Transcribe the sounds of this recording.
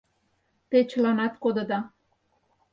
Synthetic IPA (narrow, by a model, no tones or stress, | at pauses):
t̪et͡ɕəlɑnɑt̪kod̪ɤ̆d̪ɑ